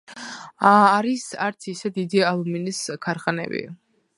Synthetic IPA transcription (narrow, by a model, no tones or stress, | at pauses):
aɾisaɾt̪sʰisɛd̪id̪ialˠuminiskʰaɾχanɛ̰bḭ